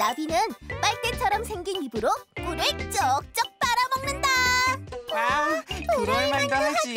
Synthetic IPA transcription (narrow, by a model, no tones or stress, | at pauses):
nabinɯnp͈aɭk̚t͈et͡ɕʰʌɾʌmsʰe̞ŋɡinibɯɾopuɾekt͡ɕ͈ʌk̚t͡ɕ͈ʌk̚p͈aɾabʌŋnɯnda | amkɯɾʌɭmandaɦad͡ʑi